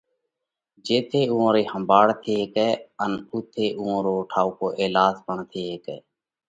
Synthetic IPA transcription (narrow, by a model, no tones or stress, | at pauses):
d͡ʒeːt̪ʰeːũːõːɾeːhəmbaːɽt̪ʰeːkɛːənʊt̪ʰeːʔuːõːɾoːʈʰaːuːkoːʔeːlaːd͡ʒbəɳt̪ʰeːɦeːkɛ̰ː